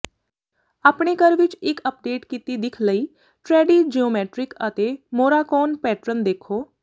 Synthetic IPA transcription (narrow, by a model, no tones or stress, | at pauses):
aːpɳ̃eːkəɾʋɪt͡ʃɪkəp̚ɖeːʈkiːt̪iːd̪ɪkʰləiː | ʈɾɛːɖiːd͡ʒiːoːmɛːʈɾɪkət̪eːmoːɾaːkɔːnpɛːʈɾənd̪eːkʰoː